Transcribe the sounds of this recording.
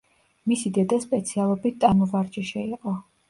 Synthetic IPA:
misid̪ɛd̪aspʼɛt̪sʰialˠɔbit̪̚t̪ʼamɔvaɾd͡ʒɛʃɛiqʼɔ

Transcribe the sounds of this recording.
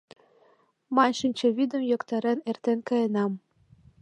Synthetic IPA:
mɑnʃɘnʲt͡ɕĕvʲid̪ə̆mjokt̪ɑɾɤnert̪enʲkɤjɤ̆nɑm

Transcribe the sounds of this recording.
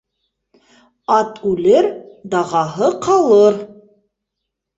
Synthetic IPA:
ɑt̪ʉlɘɾd̪ɑʁɑɦɤqɑlˠɤɾ

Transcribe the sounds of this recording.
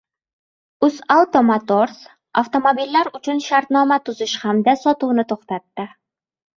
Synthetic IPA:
ʊzawt̪omat̪o̞ɾs | ʔaft̪o̞mobilːaɾʊt͡ʃʰʊnʃaɾt̪nɒmat̪ʰʊzɪʃhamd̪asɒt̪uwnɪt̪ʰoχt̪at̪ːɪ

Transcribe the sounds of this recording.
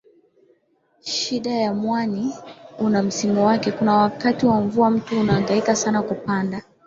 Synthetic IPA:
ʃiɗajamwaniunam̩simuwakɛkunawakatiwaɱvuam̩tuːnaːŋɡaikasanakupanda

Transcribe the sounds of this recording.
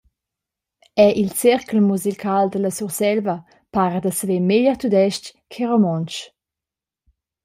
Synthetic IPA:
ɛʔilt͡siɾklmuzikʰald̪ələsuʁsɛlvə | paɾəd̪əsəvemeʎəʁt̪ud̪ɛʃckʰeʁomɔnt͡ʃ

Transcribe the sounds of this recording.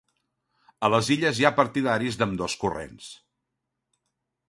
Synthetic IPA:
ələziʎəzjapəɾt̪iðaɾizðəmd̪ɔskurḛns

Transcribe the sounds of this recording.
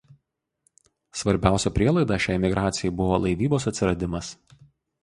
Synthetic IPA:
sʋɐɾʲbʲæˑʊsʲɛpʲɾʲiɛlˠɐɪd̪ɑʃʲæːjɛmʲɪɡɾʔɑːt̪sʲɪjɛɪbʊʋoːlˠɐɪʋʲiːboːs̬ɐt̪ʲsʲɪɾɐd̪ʲɪmɐs

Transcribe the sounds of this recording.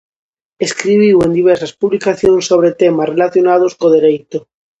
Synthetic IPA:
eskɾiβ̞iwend̪iβ̞eɾsaspuβlikaθjonsːoβ̞ɾet̪emasrelaθjonað̞oskoð̞eɾejt̪o

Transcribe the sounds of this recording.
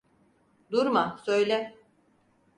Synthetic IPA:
d̪uɾmasøjlʲɛ

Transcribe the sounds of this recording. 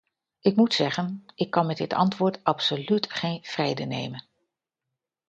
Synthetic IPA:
ɪkmutsɛχənɪkːɑnmɛdɪtɑ̰ntʋʊːɹtɑpsolytχejnv̥rejdənḛjmən

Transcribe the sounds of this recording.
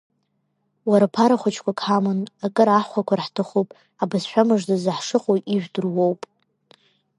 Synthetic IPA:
waɾapʰaɾaχʷat͡ʃʰkʷʰakʰamɨnakʼɨɾaħχʷakʷʰarħtʰɨχʷopʼ | abɨsħᶣʷamɨʐdazaħʂɨqʼojiʒᶣʷdɨrwowpʼ

